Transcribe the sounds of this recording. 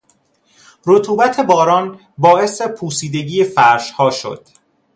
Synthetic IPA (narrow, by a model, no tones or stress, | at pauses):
ɾot̪ʰuːbæt̪ʰe̞bɒːɾɒːn | bɒːe̞se̞pʰuːsiːd̪e̞ɟiːjefæɾʃhɒːʃo̰d̪̥